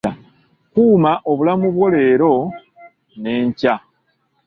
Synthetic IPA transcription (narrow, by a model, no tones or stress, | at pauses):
a | kuːmaʔo̞βulamuβwo̞le̞ːɾo̞ | ne̞ːɲca